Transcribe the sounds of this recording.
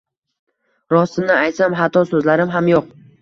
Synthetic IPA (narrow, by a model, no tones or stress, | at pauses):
ɾɒsɪnɪajt̪samɦat̪ʰɒsɵzlaɾɪmɦamjoq